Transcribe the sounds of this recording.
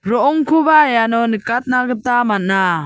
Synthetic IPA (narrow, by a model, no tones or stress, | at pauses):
ɾɔʔɔŋkʰubajanɔnəkat̪̚naɡət̪amanna